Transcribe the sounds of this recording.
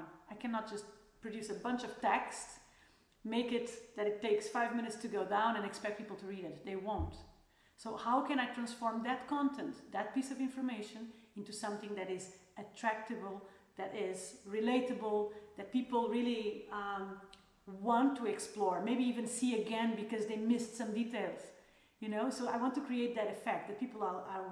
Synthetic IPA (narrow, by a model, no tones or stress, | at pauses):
aɪkʰæ̃nət̚d̥ʒ̥ʌst | pʰɹ̥ɨdjʉsəbʌ̃nt͡ʃʌv̥tʰɛksts | meɪkɪt̪̚ðɨɾɨtʰːeɪksfaɪvmɪ̃nɨtstʰɨɡoʊdãʊ̃nɨ̃nɨkspɛk̚t̚pʰipl̩ˠtʰɨɹiɾɨt̪̚ðeɪwõʊ̃nt | soʊhaʊkɨ̃ɾ̃aɪtɹ̥æ̃nsfɔɹmðɨt̚kʰɑ̃ntʰɛ̃nt̪ðɨt̚pisʌvɪ̃ɱfə˞meɪʃɨ̃nɪ̃ntusʌ̃mθɪ̃ŋðɨɾɪzɨtʰɹ̥æk̚tɨbəl̩ˠðɨɾɪzɹɨleɪɾɨbəl̩ˠðɨt̚pipl̩ˠɹilˠiʌ | wɑ̃ntʰːuɛksplɔɹmeɪbiivɨ̃nsiɨɡɛ̃nbɨkʌzðeɪmɪstsʌ̃mditeɪlˠz̥ | jɨnoʊsoʊaɪwɑ̃ntukʰɹ̥ieɪt̪̚ðɨɾɨfɛk̚t̪̚ðɨt̚pipl̩ˠəə